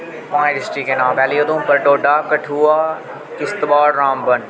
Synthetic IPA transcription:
mãːẽɖɪsʈiːkenãːpɛːliːod̪ũːpɐɾɖoːɖaːkɐʈʰuːaː | kɪst̪ɓaːɽɾãːmbɐn

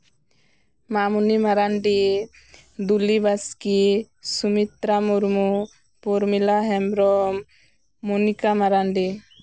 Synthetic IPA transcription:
mamunimaɾanɖi | d̪ulibaski | sumit̪ɾamuɾmu | puɾmilaɦɛmɾɔmː | unikamaɾanɖi

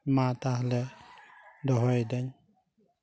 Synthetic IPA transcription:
mat̪aɦlɛ | dɔɦɔjd̪aɲ

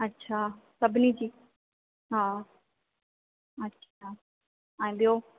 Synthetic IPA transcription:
ɐtːɕʰaːsɐbʱɪnid͡ʑiː | ɦaː | ɐtːɕʰa | aĩːɓijoː

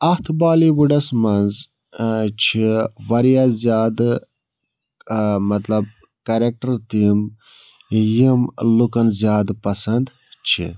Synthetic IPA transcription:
ɐht̪ʰbaːliwuɖɐsmɐnz | t͡ʃʰiʋɐɾijaːzʲjaːd̪ | mɐt̪lɐb̚ | kɐɾek̚ʈɐɾt̪im | jimlukɐnzjaːd̪pɐsɐnd̪ | t͡ʃʰḭ

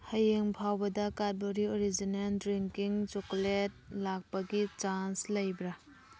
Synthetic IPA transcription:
hɐjeŋpʰawbɐdɐkaɾt̚boɾioɾid͡ʒineldɾiŋkiŋt͡ʃokolet̚lak̚pɐɡit͡ʃanslɐjbɾa

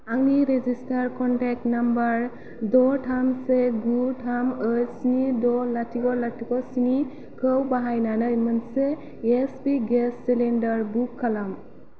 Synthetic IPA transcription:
aŋniɾezistaɾkɔnʈɛk̚ʈnambaɾ | dɔʈʰamseɡuʈʰaməjsinidɔlatʰikɔlatʰikɔsini | kʰəwbaɦajnanəmənseː | spiɡɛsːilendaɹbukʰːalam

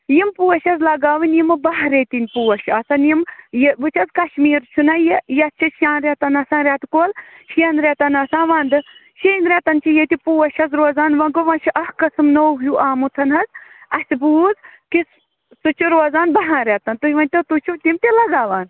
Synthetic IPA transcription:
jimpuːɐʃɐzlɐɡaːʋɨnjimɨbɐɦɾet̪inʲpuːɐʃɐsɐnjimjeʋɨt͡ʃʰɐzkɐʃmiːɾt͡ʃʰunɐjijɐt͡ʃʰiʃaːnɾet̪ɐnɐsãːɾʲat̪koːlʃenɾʲet̪ɐnɐsãːʋaːnd̪ɨʃeːnɾet̪ɐnt͡ʃʰijet̪ʲipuːɐʃɐzɾoːzaːnʋɐɡoʋɐ̃ʃiʔɐhkɐsɨmnowɦjuʔaːmut̪ʰɐnɦɐzɐsʲibuːzkis | sɨt͡ʃʰuɾoːzaːnbɐɦãːɾʲet̪ɐnt̪uiʋɐnʲt̪ɐt̪ut͡ʃʰut̪imt̪ilɐɡaːʋaːn

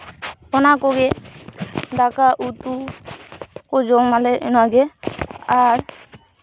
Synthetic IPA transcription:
ɔnakɔɡɛ | d̪akaʔut̪u | kɔd͡ʒɔmalɛʔɛnaɡɛaɾ

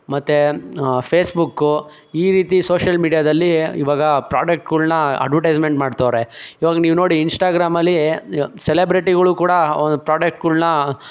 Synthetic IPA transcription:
mɐt̪ːepʰeːsbukːu | iːɾiːt̪isoːʃɐlmiːɽijaːd̪ɐlːiḭʋaːɡɐpɾaːd͡ʒek̚ʈkuɭnɐɐ̰ɖʋɐʈɐjd͡ʒmeɳʈmaːɖt̪aʋɾeiːʋaːɡɐniːʋunoːɽiːnsʈaːɡɾaːmɐlːiselebɾiʈiɡɐɭukuːɽɐond̪upɾaːɖek̚ʈɡulnɐ

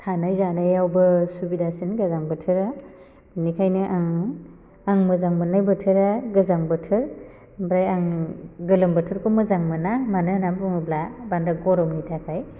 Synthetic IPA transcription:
tʰanajzanajawbɯsubidasinɡazaŋbɯtʰɯɾa | nikʰajnɯʔaŋ | aŋmɯzaŋmɯnajbɯtʰɯɾaɡɯzaŋbɯtʰɯɾ | bɾajaŋɡɯlɯmbɯtʰɯɾkʰomɯzaŋmɯnamanɯnampɯŋɯblabandaɡɔɾɔmnitʰakʰaj

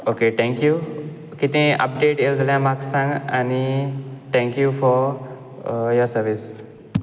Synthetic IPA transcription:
okeʈʰɛ̃ŋkju | kit̪ẽʔə̰p̚ɖeʈeld͡zəljãmaksãŋɡa̰niʈʰɛ̃ŋkjufɔɾ | jɔɾsəɾʋis

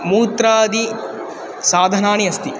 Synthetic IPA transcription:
muːt̪ɾaːd̪i | saːd̪ʱɐnaːɳiɐst̪i

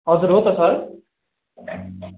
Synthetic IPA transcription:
ɦʌd͡zuɾɦot̪ʌsʌɾ

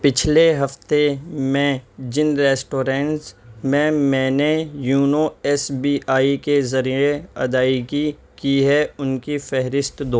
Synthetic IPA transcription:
pɪt͡ʃʰleɦɐft̪emɛ̃d͡ʒɪnɾɛːsʈoːɾɛ̃ːɳʈsmẽmɛ̃ːnejuːnoɛːsbiːaːikezɐɾieɐ̰d̪aːiki | kiɦɛʊnkifɛɦɾɪst̪d̪oː

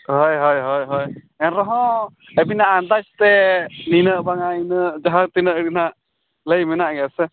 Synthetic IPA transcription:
ɦɔjɦɔjɦɔjɦɔj | ɛnɾɔɦɔ̃ | əbinaʔːnd̪at͡ʃt̪ɛninəʔbaŋainəʔd͡ʒaɦaŋt̪inəʔɽinaʔ | ləjmɛnaʔɡɛsɛ

